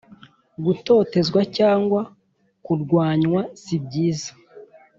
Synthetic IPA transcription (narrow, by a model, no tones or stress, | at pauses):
ɡuto̞ːte̞zɡwacaːŋɡwa | kuɾɡwaːɲwasib̚ɟiːzḁ